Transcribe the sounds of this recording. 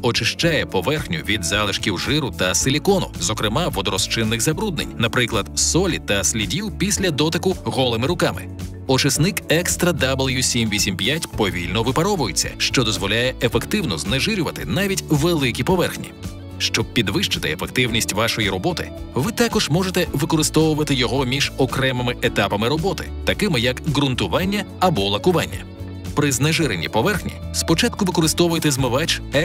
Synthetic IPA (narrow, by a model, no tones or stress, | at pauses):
ɔt͡ʃɪʃt͡ʃɑjɛpɔʋɛrxnʲʊʋʲid̪zɑlˠɪʃkʲiwʒɪɾʊt̪ɐsɪlʲikɔnʊ̰zɔkɾɪmɑʋɔd̪ɔɾɔst͡ʃɪnːɪɣzɐbɾud̪nḛnʲnɐpɾɪklˠɐd̪sɔlʲit̪ɐsʲlʲidʲiwpʲisʲlʲɐd̪ɔt̪ɪkʊɣɔlˠɪmɪɾʊkɑmɪ̰ | ɔt͡ʃɪsnɪkɛkst̪ɾɐd̪ablˠjusʲimʋʲisʲimpʲjatʲpɔʋʲilʲnɔʋɪpɐɾɔʋʊjɪt͡sʲːɐ̰ʃt͡ʃɔd̪ɔzʋɔlʲajɛefekt̪ɪwnɔzneʒɪɾʲʊʋɐt̪ɪ̰nɑʋʲitʲʋelˠɪkʲipɔʋɛrxnʲḭ | ʃt͡ʃɔb̚pʲid̪ʋɪʃt͡ʃɪ̥t̪ɪefekt̪ɪwnʲisʲtʲʋɑʃɔjiɾɔbɔt̪ɪ̰ | ʋɪt̪ɑkɔʒmɔʒet̪ɛʋɪkɔɾɪst̪ɔʋʊʋɐt̪ɪjɔɦɔmʲiʒɔkɾɛmɪmɪʔet̪ɑpɐmɪɾɔbɔt̪ɪ̰t̪ɐkɪmɪjɐkɣɾʊnt̪ʊʋɑnʲːɐɐbɔlˠɐkʊʋanʲːɐ̰ | pɾɪzneʒɪɾenʲːḭpɔʋɛrxnʲḭspɔt͡ʃat̪kʊʋɪkɔɾɪst̪ɔʋʊjet̪ɛzmɪʋat͡ʃɛ